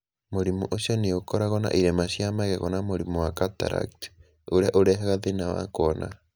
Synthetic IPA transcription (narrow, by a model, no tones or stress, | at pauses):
moɾimuʔoʃjɔneokɔɾaɣɔna̰ʔiɾemaʃjamaɣɛɣɔnamoɾimuwakata̰ɾa̰kt | oɾeaʔoɾɛɦaɣaðenawa̰koɔna̰